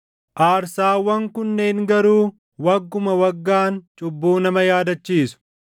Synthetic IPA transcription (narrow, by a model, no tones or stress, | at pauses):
ʔaːɾsaːwːɐŋkʊnːe̞ːŋɡɐɾuː | wɐɡːʊmɐwɐɡːaːnt͡ʃʼʊbːuːnɐmɐjaːd̪ɐt͡ʃːiːsʊ̥